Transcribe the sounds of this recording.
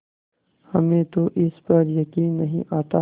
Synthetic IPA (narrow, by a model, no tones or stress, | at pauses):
hɐmẽːt̪oʔɪspɐɾjɐkiːnːɐɦḭ̃ʔaːt̪a